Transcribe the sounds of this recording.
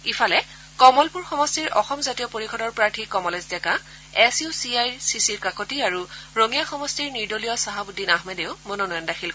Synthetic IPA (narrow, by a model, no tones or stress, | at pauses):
ifʰalɛ | kɔmɔlpuɹxɔmɔstiɹʔɔxɔmzatijɔpoɹikʰɔdɔɹpɹaɹtʰikɔmɔlezdɛka | ɛsjusiajsisiɹkakotiaɹuɹoŋijaxɔmɔstiɹniɹdolijɔsaɦabudʱinaɦmedeʊmonɔnɔjɔndaxʰil